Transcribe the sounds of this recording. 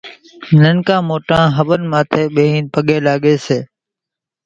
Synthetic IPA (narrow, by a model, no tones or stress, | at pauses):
nəŋkãːmoːʈãːɦəɓənmãːt̪ʰeːɓeːɦĩːnpəɠẽːlaːɠeːseː